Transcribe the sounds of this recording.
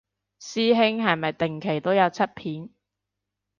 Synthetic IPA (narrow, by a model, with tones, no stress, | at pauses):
siː˥ɦɪ˥ŋɦɐ˨jmɐ˨jt̪ɪ˨ŋkʰe˨˩jt̪o˥wjɐ˨˧wt͡sʰɐ˥t̚pʰiː˨˥n